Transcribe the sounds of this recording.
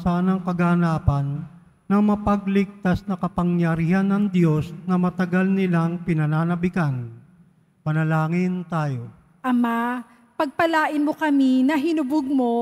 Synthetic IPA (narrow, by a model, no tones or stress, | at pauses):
saːnɐŋkɐɡɐnaːpɐnː | ɐŋmɐpɐɡlɪɡ̚t̪asnɐkɐpɐŋjɐɾiːhɐnːɐŋd̪jo̞snɐmɐt̪ɐɡalnɪlaŋpɪnɐnaːnɐbɪkan | pɐnɐlaːŋɪnt̪aːjo̞ | ʔɐma | pɐɡ̚pɐlaːʔɪnmokɐminɐɦɪnʊbʊɡ̚mo